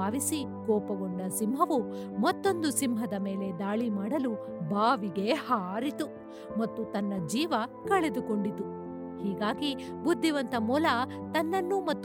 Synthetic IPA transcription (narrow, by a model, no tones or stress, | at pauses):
aːʋisikɔːpɐɡoɳɖɐsimɦɐʋumɐt̪ːo̞nd̪usimɦɐd̪ɐme̞ːle̞d̪aːɭimaːɽɐlu | bʱaːʋiɡe̞haːɾit̪u | mɐt̪ːut̪ɐnːɐd͡ʒiːʋɐ | kɐɭed̪uko̞ɳɖit̪u | hiːɡaːɡibud̪ʱːiʋɐnt̪ɐmuːlɐt̪ɐnːɐnːumɐt̪ː